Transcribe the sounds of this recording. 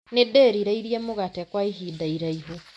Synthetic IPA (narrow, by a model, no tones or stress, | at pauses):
nedɛɾiɾaiɾiamoɣatɛkwaiɦidaiɾaiɦo